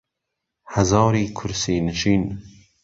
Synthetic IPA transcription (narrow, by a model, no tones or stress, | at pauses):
hɐzɑːɾiːkʰʊɾsiːnɨʃiːn